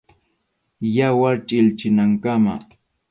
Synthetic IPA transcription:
jawaɾt͡ʃʼɪlt͡ʃɪnaŋkama̰

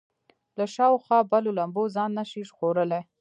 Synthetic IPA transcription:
laʃɑwxwɑbalolambozɑnːaʃiʃxoɾəle

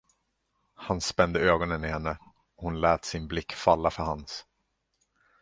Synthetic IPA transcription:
hanspɛnd̪əøːɡɔnənɪhɛnːə | ɔhʊnlɛːt̪sɪnblɪkːfalːafœɾhans

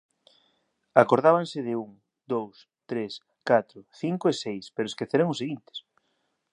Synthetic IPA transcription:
akoɾðaβansɪðɪuŋ | d̪ows | t̪ɾes | kat̪ɾʊθiŋkʊesejspeɾʊeskeθeɾeŋʊseɣint̪ɪ̥s

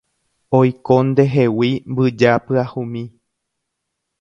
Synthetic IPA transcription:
ojkõnd̪e̞ɦe̞wimbɨd͡ʒapɨahũmĩ

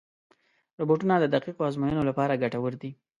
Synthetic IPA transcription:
ɾoboʈunad̪əd̪aqiqoɑzmojənolapɑɾaɡaʈawəɾd̪i

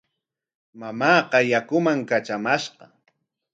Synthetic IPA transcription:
mamɑːqɑjakʊmaŋkat͡ʃamaʃqɑ

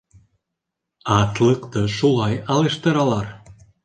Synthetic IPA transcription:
ɑt̪lˠɤqt̪ɤʃulˠɑjɑlˠeʃt̪ɤ̆ɾɑlˠɑɾ

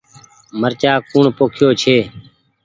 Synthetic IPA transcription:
məɾt͡ʃaːkuːɳpoːkʰɪjoːt͡ʃʰeː

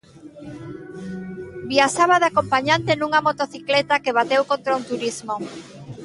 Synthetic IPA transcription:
biaʃaβaðakompaɲant̪enuŋamot̪oθiklɛt̪akeβ̞at̪ewkont̪ɾaunt̪uɾizmo

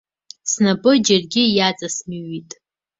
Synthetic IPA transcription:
snabɨd͡ʒarɡʲɪjat͡sʼasmiɥitʼ

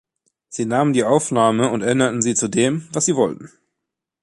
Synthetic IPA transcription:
z̥iːnaːməndiːʔaʊfnaːməʊntʔɛʔɪnɐtn̩ziːt͡sudeːmvasz̥iːvɔltn̩

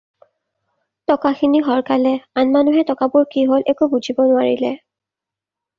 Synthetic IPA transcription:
tɔkaxiniɦɔɹkalɛanmanuɦɛtɔkabʊɹkiɦolʔɛkubuzʱibɔnʊwaɹḭlɛ̰

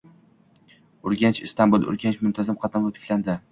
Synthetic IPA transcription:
ʊɾɡʲant͡ʃɪst̪ʰanbulˠʊ̰ɾɡʲant͡ʃmʊnt̪ʰazɪmqʰɑt̪ʰanvat̪ʰɪ̥kʲland̪ɪ

